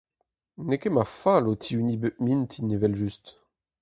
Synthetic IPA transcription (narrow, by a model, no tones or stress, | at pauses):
nekemafalot̪ʰiynibømint̪ʰinevɛlʒyst̪